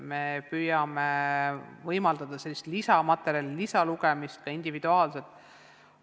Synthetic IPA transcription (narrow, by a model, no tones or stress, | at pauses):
me̞pyːjɑme | vɤjmɑld̪̥ɑd̪̥ɑse̞lːist̪lisɑmɑt̪ːˑe̞ɾjɑlilisɑluɡ̥emist̪̚kɑind̪̥ivid̪uɑːlset̪ːˑ